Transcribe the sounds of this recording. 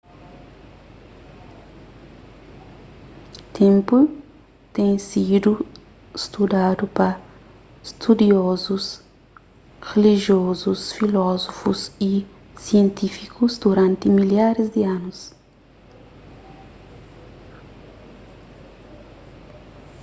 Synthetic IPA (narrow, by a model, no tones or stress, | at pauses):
t̪ʰẽmpu | t̪ẽj̃sid̪u | st̪ud̪ad̪upɐ | st̪ʰud̪iɔzus | ɣeliʒiɔzusfilɔzofusi | siẽnt̪ifikuzd̪uɾãnt̪ɪmiljaɾɪzd̪iãnus